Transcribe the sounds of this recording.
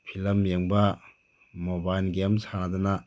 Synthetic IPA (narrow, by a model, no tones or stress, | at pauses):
pʰilɐmjeŋbɐ | mobajlɡemsanɐd̪unɐ